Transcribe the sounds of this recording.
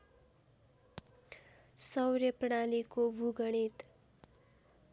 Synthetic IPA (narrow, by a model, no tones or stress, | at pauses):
sʌwɾʌpɽ̃alikobʱuɡʌɽ̃it̪